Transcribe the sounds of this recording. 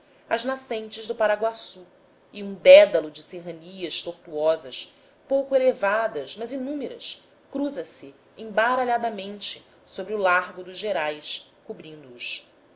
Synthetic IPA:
ɐznasẽnt͡ʃɪʒd̪ʊpaɾaɡwasu | iũd̪ɛd̪ɐlʊd͡ʒɪseɦɐniɐʃt̪oɾt̪uɔzɐʃ | powkʊelevad̪ɐʃmɐzinũmeɾɐ̰s | kɾuzɐsɪ | ẽbaɾaʎad̪ɐmẽnt͡ʃɪ | sobɾɪʊlaɾɡʊd̪ʊʒʒeɾajskubɾĩnd̪uːs

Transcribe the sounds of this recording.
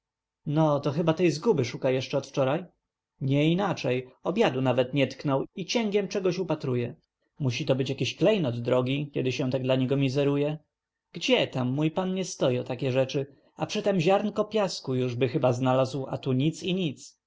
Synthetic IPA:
nɔt̪ɔxɘbat̪ɛjzɡubɘʂukajɛʂt͡ʂɛɔt̪ft͡ʂɔɾaj | ɲɛinat͡ʂɛjɔbʲjad̪unavɛt̪ɲɛt̪knɔwit͡ɕɛŋɡʲjɛmt͡ʂɛɡɔɕupat̪ɾujɛ | muɕit̪ɔbɘt͡ɕjakʲiɕklɛjnɔd̪ːɾɔɡʲikʲɛd̪ɘɕɛ̃w̃t̪aɡ̚d̪laɲɛɡɔmʲizɛɾujɛ | ɡ̥d͡ʑɛt̪amːujpanɲɛst̪ɔjɔ̃t̪akʲɛʐɛt͡ʂɘ | apʂɘt̪ɛmʑaɾnkɔpʲjaskujuʐbɘxɘbaznalazwa̰t̪uɲit̪siɲit̪s

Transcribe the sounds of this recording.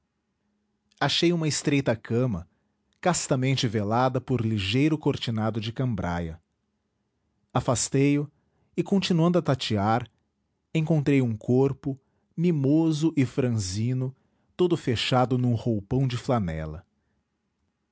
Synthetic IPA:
aʃejũmɐɪst̪ɾejt̪ɐkɐ̃mɐ | kast̪ɐmẽnt͡ʃɪvelad̪ɐpʊɾliʒejɾʊkoɾt͡ʃinad̪ʊd͡ʒɪkɐ̃mbɾa̰jɐ̰ | afast̪ejʊ | ɪkõnt͡ʃinuɐ̃nd̪ʊɐt̪at͡ʃiaɾ | ẽŋkõnt̪ɾejũkʰoɾpʊ | mimozʊʔɪfɾɐ̃zĩnʊ | t̪od̪ʊfeʃad̪ʊnũhowpɐ̃w̃d͡ʒɪflanɛ̰lɐ̰

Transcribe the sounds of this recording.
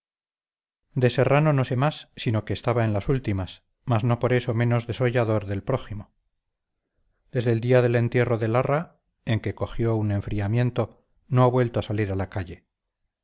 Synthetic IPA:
d̪e̞se̞rano̞no̞se̞masːino̞ke̞ːst̪aβaenlasult̪imas | mazno̞po̞ɾe̞so̞mẽ̞no̞zðe̞soʝaðo̞ɾðe̞lpɾo̞ximo | d̪e̞zðe̞ːld̪iaðe̞le̞nt̪je̞ro̞ðe̞lara | e̞ŋke̞ko̞xjo̞une̞ɱfɾiamje̞nt̪o̞ | no̞aβwe̞lt̪oasaliɾalakaʎe̞

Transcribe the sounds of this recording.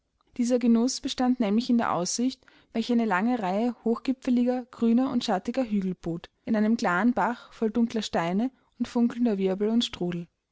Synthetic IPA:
d̥iːzɐɡənʊsb̥əʃtantnɛːmlɪçɪndeːɐʔa̰ʊsz̥ɪçt | vɛlçəʔaɪnəlaŋəʁaɪəhoːxɡ̥ɪpfəlɪɡɐɡ̥ʁyːnɐʔʊntʃatɪɡɐɦyːɡl̩b̥oːtʔɪnaɪnəmkl̥aːənbaχfɔldʊŋklɐʃtaɪnə | ʊntfʊŋkl̩n̩dɐvɪɐbl̩ʊntʃtʁ̥uːdl̩

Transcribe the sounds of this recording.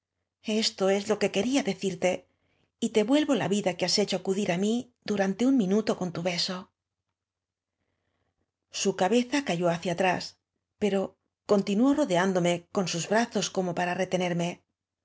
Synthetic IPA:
e̞st̪o̞e̞zlo̞ke̞ke̞ɾiaðe̞θiɾt̪e̞ | it̪e̞βwe̞lβo̞la̰βiðakease̞t͡ʃo̞akuðiɾami | d̪uɾant̪e̞uŋmĩnut̪o̞ko̞nt̪uβe̞so̞ | sukaβe̞θakaʝo̞aθjat̪ɾas | pe̞ɾo̞ | ko̞nt̪inuo̞ro̞ðeand̪o̞me̞ko̞nsuzβɾaθo̞sko̞mo̞paɾare̞t̪e̞ne̞ɾme̞

